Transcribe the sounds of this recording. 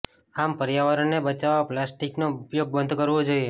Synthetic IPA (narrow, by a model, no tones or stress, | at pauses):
ampəɾjaʋaɾəɳnebət͡ʃaʋaplasʈiknoupjoɡ̚bənd̪ʱkəɾʋod͡ʒoie